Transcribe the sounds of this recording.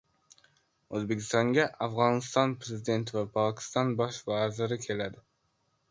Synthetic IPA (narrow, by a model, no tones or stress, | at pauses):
ɵzbe̞kʲʰɪ̥st̪ɒŋɡʲaʔafʁɒnɪst̪ɒnpɾe̞zɪd̪e̞nt̪ʰɪvapʰɒkʲʰɪ̥st̪ɒnbɒʃvazɪɾɪkʲʰe̞lad̪ɪ